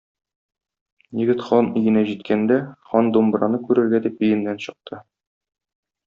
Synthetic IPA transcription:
jɘ̆ɡɘt̪χɒnijɘ̆næʑit̪kʰænd̪æχɒnd̪ombɾɑnɤkʉɾɘ̆ɾɡæd̪ipɵ̆jɘ̆nːænɕɤ̆q̚t̪ʰɤ

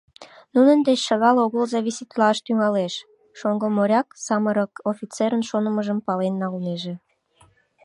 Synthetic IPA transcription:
nunənd̪et͡ɕʃəɣɑloɣəlzɑβisit̪lɑʃt̪yŋɑleʃ | ʃoŋɡomoɾʲɑksɑməɾəkofʲit͡seɾənʃonəməʒəmpɑlenːɑlneʒe

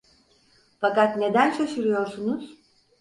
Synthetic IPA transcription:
fakat̪ne̞d̪ænt͡ʃʰaʃɯɾɯjo̞ɾsunuz̥

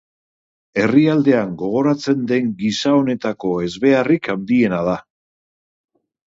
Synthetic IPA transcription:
e̞riald̪e̞aŋɡo̞ɣ̞o̞ɾat͡se̞nd̪e̞ŋɡisao̞ne̞t̪ako̞e̞zβe̞arikand̪ie̞nað̞a

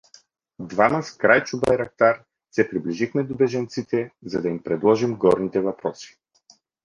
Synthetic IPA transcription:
d̪vamɐskɾajt͡ʃubajɾɐk̚t̪aɾ | sɛpɾibliʒixmɛd̪obɛʒɐnt̪sit̪ɛzɐd̪ɐimpɾɛd̪lˠɔʒimɡɔɾnit̪ɛvɐpɾɔsi̥

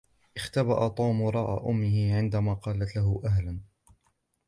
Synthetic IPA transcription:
ʔɪxt̪aba̰ʔat̪ˤuːmʊɾˤɑːʔa̰ʔʊmːɪhɪʕɪnd̪amaːqɑːlat̪laɦʊʔaɦlan

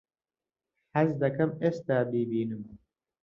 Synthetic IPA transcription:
ħazd̪ɐkɐmeːst̪aːbiːbiːnɨm

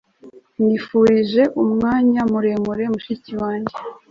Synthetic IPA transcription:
nifuːɾiʒe̞ʔumŋaːɲamuɾe̞muɾe̞muʃiciwaːɲɟe

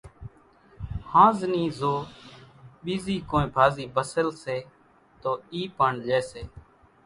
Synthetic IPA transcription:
hãːzniːzoː | ɓiːziːkoːẽːbʱaːziːbəsəlseː | t̪oːiːpaɳd͡ʒɛːseː

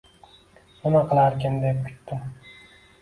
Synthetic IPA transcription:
ʊnaqʰɨlˠaɾkʲɪnd̪ep̚kʲʰy̥t̪ːɪ

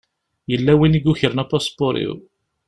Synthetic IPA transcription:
jəlːæwiniɡuçəɾnapɔspʊɾḭw

